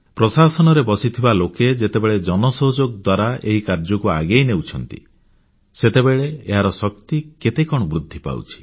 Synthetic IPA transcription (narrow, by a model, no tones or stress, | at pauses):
pɾɔsasɔnɔɾebɔsit̪ʰibaloked͡ʒet̪ebeɭed͡ʒɔnɔsɔɦod͡ʒoɡ̚d̪waɾaḛɦikaɾd͡ʒɔkua̰ɡejnewt͡ʃʰɔnt̪ḭ | set̪ebeɭeːɦaɾɔsɔkt̪iket̪ekɔɽ̃ɔbɾud̪ʱːipa̰w̰t͡ʃʰi̥